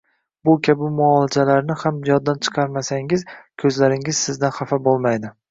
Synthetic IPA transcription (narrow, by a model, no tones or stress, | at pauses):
bʊkʲʰabɪmʊɒlˠɪd͡ʒ̪alaɾnɪhamjɒd̪ːant͡ʃʰɨ̥qʰɑɾmasaŋɪzkʲʰɵzlaɾɪŋɪzsɪzd̪anχafabolˠmajd̪ɪ